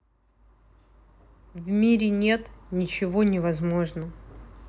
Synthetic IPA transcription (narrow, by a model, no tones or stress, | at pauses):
vmʲiɾʲɪnʲe̞t̪nʲɪt͡ɕɪvonʲɪvɐzmo̞ʐnə